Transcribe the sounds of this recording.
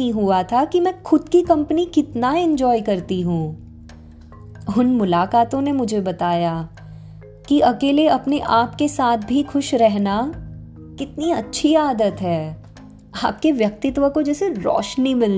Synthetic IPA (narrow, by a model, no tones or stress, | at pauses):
ĩɦuat̪ʰakimɛ̃ːxʊd̪kikɐ̃mpnikɪt̪naɪ̃ɲd͡ʒɔːikɐɾt̪iɦũ | ʊnmʊlaːkaːt̪õnemʊd͡ʒʱebɐt̪aːja | kiʔɐkeːleɐpneʔaːpkesaːt̪̚ʰbʱixʊʃɾɛɦna | kɪt̪niɐtːʃʰiaːd̪ət̪ɦɛː | aːp̚keʋjɐk̚t̪ɪt̪ʋəkod͡ʒɛːseɾɔ̰ːʃnimɪl